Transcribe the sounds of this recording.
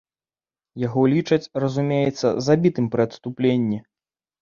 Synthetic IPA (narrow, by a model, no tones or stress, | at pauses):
jaɣɔlʲit͡ʂɐt͡sʲrɐzumʲejɛt̪sːɐ̰zabʲit̪ɨmpɾɨɐt̪st̪uplʲenʲːi